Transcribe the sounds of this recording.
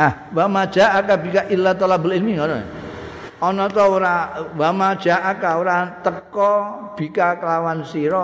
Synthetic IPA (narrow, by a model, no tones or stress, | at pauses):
ah | wamad̥ʒ̥a̤ʔakabi̤kaʔilat̪ɔlabəlilmiŋɔnɔ̰ | ɔnɔt̪ɔuɾawamad̥ʒ̥a̤ʔakauɾat̪əkɔb̥ikakəlawansiɾɔ